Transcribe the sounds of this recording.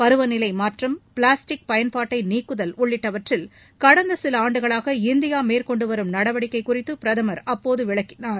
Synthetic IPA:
pɐɾɯʋɐnɪlɐɪmaːʈrɐmpɭaːsʈɪk̚pɐjɐnpaːʈːɐɪniːkːɯðɐlʊɭːɪʈːɐʋɐʈrɪl | kɐɽɐnd̪ɐsɪlɐaːɳɖɯɣɐɭaːɣɐɪnd̪ɪjaːmeːɾkɔɳɖɯʋɐɾɯmnɐɽɐʋɐɽɪkːɐɪkːʊrɪt̪ːɯpɪɾɐðɐmɐɾɐpːoːðɯʋɪɭɐkːɪnaːɾ

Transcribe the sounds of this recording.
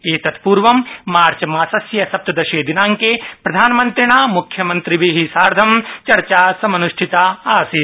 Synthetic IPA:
eːt̪ɐt̪ʰpuːɾʋɐmːaːɾt͡ʃɐmaːsɐsjɐsɐp̚t̪ɐd̪ɐʃeːd̪inaːŋkepɾɐd̪ʱaːnmɐnt̪ɾiɳ̃aːmukʰjɐmɐnt̪ɾiʋiɦisaːɾd̪ʱɐmt͡ʃɐɾt͡ʃaːsɐmɐnuʃʈʰit̪aːaːsi

